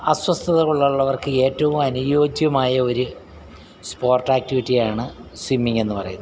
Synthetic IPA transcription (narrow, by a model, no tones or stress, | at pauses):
ɐswɐst̪ʰɐðɐuɭːɐuɭːɐʋɐrkɨe̞ːtːɐʋumɐnujo̞ːd͡ʑjɐmaːjɐo̞ɾu | spo̞ːrtːaːk̚tiʋitːijaːɳɨswimːiŋe̞nːɨpɐrɐ̰junːɐ